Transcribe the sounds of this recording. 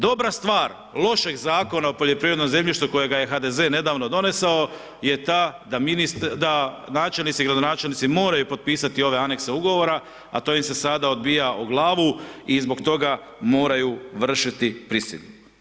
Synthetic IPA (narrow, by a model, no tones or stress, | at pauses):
d̪o̞bɾast̪ʋaːɾ | lˠo̞ʃe̞ɡzaːko̞naopo̞ʎe̞pɾiʋɾe̞d̪nmze̞mʎiʃt̪uko̞je̞ɡaje̞xad̪e̞ze̞ːne̞d̪aːʋno̞d̪o̞ne̞sao | je̞t̪ad̪aminist̪d̪a | naːt͡ʃe̞lnit̪siɡɾad̪o̞naːt͡ʃelnit̪simo̞ːɾajupo̞t̪̚piːsat̪io̞ʋe̞ane̞kse̞uɡo̞ʋo̞ɾa | a̰t̪o̞ːjimse̞sad̪ao̞d̪bijaʔuɡlˠaːʋuizbo̞kt̪o̞ɡa | mo̞ːɾajuʋr̩ʃit̪ipɾisḭʎu